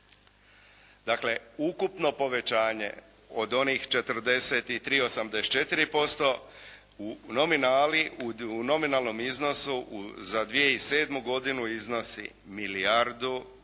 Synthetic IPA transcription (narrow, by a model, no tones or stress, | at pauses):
d̪akle̞ukupno̞po̞ʋe̞t͡ʃaːɲe̞̰ | o̞d̪o̞nixt͡ʃe̞t̪əɾ̩d̪e̞se̞t̪it̪ɾiːo̞samd̪est͡ʃe̞t̪iɾipo̞st̪o̞ | uno̞minaːliuno̞minalˠno̞mizno̞suʔzad̪ʋije̞ise̞ːd̪muɡo̞d̪inuizno̞sḭ | milijaɾd̪u